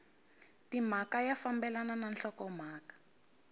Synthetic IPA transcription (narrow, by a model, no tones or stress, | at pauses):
tim̤akajafambɛlanananɬɔkɔm̤aːkḁ